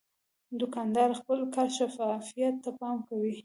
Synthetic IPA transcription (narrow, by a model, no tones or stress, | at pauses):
d̪ʊkɑnd̪ɑɾxpəlkaʃafɑfijat̪ːapɑmkawi